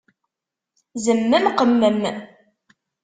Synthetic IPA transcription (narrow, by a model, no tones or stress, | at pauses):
zəmːəmqəmːəm